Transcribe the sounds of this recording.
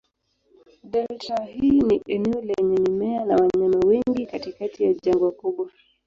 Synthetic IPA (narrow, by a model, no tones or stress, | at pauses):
ɗɛltahiːniʔɛnɛɔlɛɲɛnimɛanawaɲamawɛŋɡikatikatijaʄaŋɡɔwakuɓwa